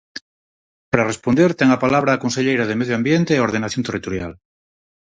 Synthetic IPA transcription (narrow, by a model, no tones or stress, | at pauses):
paɾarespond̪eɾt̪eŋapalaβ̞ɾaːkonseʎejɾað̞emeðjoambjent̪eːo̞ɾð̞enaθjont̪erit̪oɾja̰l